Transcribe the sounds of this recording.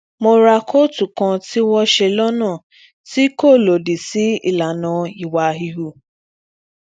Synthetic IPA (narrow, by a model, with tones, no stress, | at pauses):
mo˧ɾa˧kʰo˦tu˨kɔ̃˧ti˦wɔ˦ʃe˧lɔ˦nãː˦˨ | ti˦ko˦˨lo˨di˨si˦ḭ˦˨la˨nɔ̃˨i˨wa˨ɦi˧ɦu˧